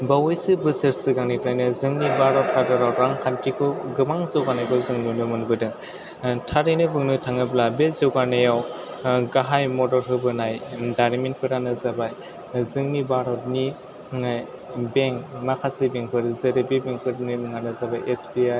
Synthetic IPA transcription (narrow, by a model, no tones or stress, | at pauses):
bawɯjsɯbɯsɯɾsɯɡaŋnikɾajnɯzɯŋnibaɾɔp̚kʰadɔɾawɾaŋkʰantikʰɯɡɯmaŋzɯwɡanajkʰɯzɯŋnɯnɯmɯnbɯdɯ | tʰaɾinɯbɯŋnɯtʰaŋɯblabezɯwɡanɯjaw | ɡaɦajmɔdɔɾɦɯbɯnajdaɾmen̚pʰɯɾanɯzabaj | zɯŋnibaɾɔt̚ni | beŋmakʰasibeŋpʰɯɾzɯɾɯbibeŋpʰɯɾnɯmɯŋanɯzabajʔesbiaj